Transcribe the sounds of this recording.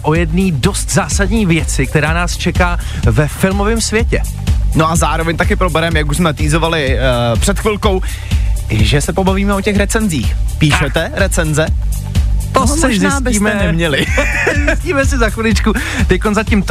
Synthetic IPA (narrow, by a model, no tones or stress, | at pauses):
ʔo̞jɛdniːdo̞st̪zaːsadɲiːvjɛt͡sɪk̚t̪ɛɾaːnaːst͡ʃɛkaː | vɛfɪlmo̞vɪmsvjɛcɛ | noʔazaːɾovɛɲt̪akɪpɾobɛɾɛmjakuʃsmɛt̪iːzo̞valɪpr̝̥ɛt̪xvɪlko̞w | ʒɛsɛpo̞baviːmɛocɛxɾɛt͡sɛnziːxpiːʃɛt̪ɛɾɛt͡sɛnzɛ | t̪ozɪbɪiːmɛnɛmɲɛlɪzɪsciːmɛsɪzaxvɪlɪt͡ʃku | t̪ɛckonzacɪmt̪